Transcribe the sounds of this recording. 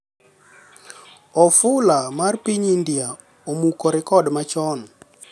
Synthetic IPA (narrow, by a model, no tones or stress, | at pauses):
ɔfʊlamarpiɲindja | omukɔɾɛkɔdmat͡ʃɔn